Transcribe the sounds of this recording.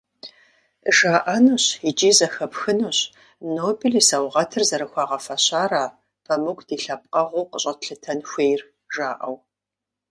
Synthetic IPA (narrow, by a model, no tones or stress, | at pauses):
ʒaːʔɐnuɕid͡ʒiːzɐxɐpxɨnuːɕ | noːbilisɐwʁɐtʰɨrzɐɾɨxʷɑːʁɐfɐɕaːraː | pʰɐmɨkʷd̥iːɬɐp̚qʼɐʁʷuːqəɕʼɐtɬɨtʰɐnxʷeːjr | ʒaːʔɐw